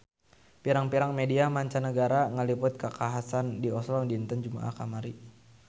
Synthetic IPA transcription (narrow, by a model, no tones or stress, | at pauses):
piɾaŋpiɾaŋmediamaɲt͡ʃanəɡaɾaŋəlipʊt̪̚kəkaɦasandiɔslɔŋdint̪ənd͡ʒuma̰ʔa̰hkamaɾi